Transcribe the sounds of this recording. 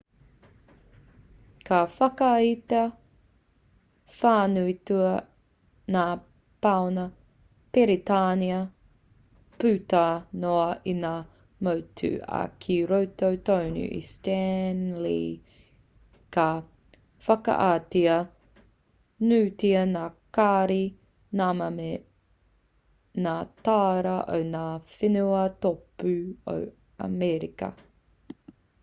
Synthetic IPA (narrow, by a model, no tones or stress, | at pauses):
kafɐkɐitɐ | faːnuituɐ | naː | pawnɐ | peɾitaːniɐ | pʉtɐnoɐinaː | mowtʰʉ̰ɐ̰kʰiɾowtowtownṵʔḭstɛnlḭ | kɐ | fɐkɐ̰ʔaːtiɐ | nʉːtiɐnaːkaːɾi | naːmɐme | naːtaːɾɐʔo̰wnaːfinuɐtopʉo̰w | ɐ̰mɛɾikɐ̰